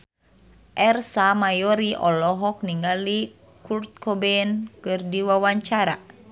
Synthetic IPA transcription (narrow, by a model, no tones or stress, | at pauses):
ʔɛrsamajɔɾiʔɔlɔɦɔk̚niŋɡali | kurt̪̚kʰɔbɛnkɨrdiwawaɲt͡ʃaɾa̰